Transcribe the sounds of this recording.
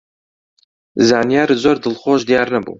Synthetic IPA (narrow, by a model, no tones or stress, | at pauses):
zaːnijaːɾzoːɾd̪ɨlχoːʒd̪ijɑːɾnɛbṵː